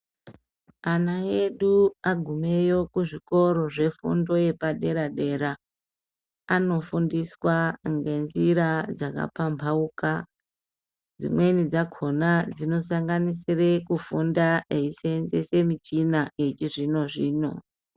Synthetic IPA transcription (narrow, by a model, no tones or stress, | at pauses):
anae̞ɗuaɡʱume̞jo̞kuʐiko̞ɾo̞ʐe̞fṵndo̞je̞paɗe̞ɾaɗe̞ɾa | no̞fundiswaŋɡe̞nziɾad͡zaka̰pambʰʱauka | d͡zḭmwe̞nid͡zaɡʰʱo̞nad͡zino̞saŋɡanisire̞kufundaʔeisenzese̞mit͡ʃinaet͡ʃiʐino̞ʐiːno̞̰